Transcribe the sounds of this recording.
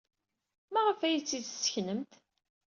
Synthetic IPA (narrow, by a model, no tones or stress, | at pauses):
mæʁəfæjit͡sːid̪sːə̥çnəmt̪